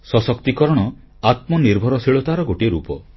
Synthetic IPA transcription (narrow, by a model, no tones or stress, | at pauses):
sɔsɔkt̪ikɔɾɔɽ̃ɔ | at̪mɔniɾbʱɔɾɔsiɭɔt̪aɾɔɡoʈieɾupɔ